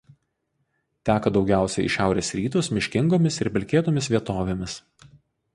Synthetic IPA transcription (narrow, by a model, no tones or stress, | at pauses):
t̪ʲæːkɐd̪ɒʊɡʲæˑʊsʲɛɪɪ̰ʃʲæˑʊɾʲeːsɾʲiːt̪oːsmʲɪʃʲkʲɪŋɡoːmʲɪsɪɾpʲɪlʲkʲeːt̪oːmʲɪsʋʲiɛt̪oːʋʲemʲɪs